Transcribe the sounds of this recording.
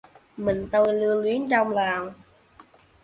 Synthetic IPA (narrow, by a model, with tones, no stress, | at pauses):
mï˨˩ŋ̟t̪o˧jlɨ˧əlwi˨˦ənt͡ɕɔ˧wŋ͡mlaː˨˩w